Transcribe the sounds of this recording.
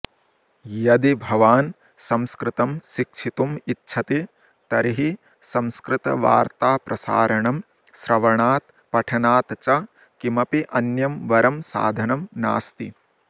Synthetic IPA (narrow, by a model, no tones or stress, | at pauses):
jɐd̪ibʱɐʋaːn | sɐmskɾɪt̪ɐmʃikʃʰit̪umitːʃʰɐt̪i | t̪ɐɾiɦi | sɐ̃mskɾɪt̪ɐ̰ʋa̰ːɾt̪aːpɾɐsa̰ːɾɐɳɐm | sɾɐʋɐɳaːt̪ | pɐʈʰɐnaːt̪t͡ʃɐ | kimɐpiʔɐnjɐmʋɐɾɐmsa̰ːd̪ʱɐnɐmnaːst̪i